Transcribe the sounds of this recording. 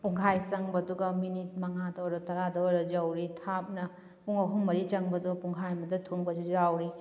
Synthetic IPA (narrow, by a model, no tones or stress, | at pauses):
puŋɦʰajt͡ʃɐŋbɐːduɡɐminit̚mɐŋadɐwɾɐtɐɾadɐwɾɐd͡ʒɐwɾitʰap̚nɐ | puŋɐɦuŋmɐɾit͡ʃɐŋbɐdupuŋkʰajmɐdɐtʰuŋbɐd͡ʒud͡ʒawɾi